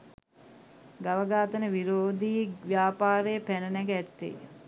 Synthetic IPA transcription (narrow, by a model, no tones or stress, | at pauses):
ɡaʋəɡaːt̪ənəʋiɾoːd̪iːʋjaːpaːɾəjəpænənæɡæt̪ːḛ